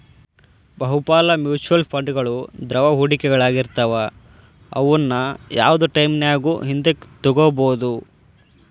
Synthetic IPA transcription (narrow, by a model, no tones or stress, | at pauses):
bɐɦupaːlɐmjuːt͡ʃuʋɐlpʰɐɳɖɡɐɭud̪ɾɐʋɐɦuːɽikɛɡɐɭaːɡiɾt̪ɐʋɐ | ɐ̰ʋɐnːɐja̰ːʋɐd̪uʈɐjmnejaːɡuːɦind̪ekt̪ɔɡoboːd̪u